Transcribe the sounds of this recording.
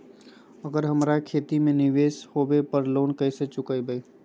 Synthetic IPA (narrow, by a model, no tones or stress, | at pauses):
əɡəɾɦəmɾakʰeːt̪imẽnɪʋeːshoːbepəɾloːnkəːset͡ʃʊkəibəi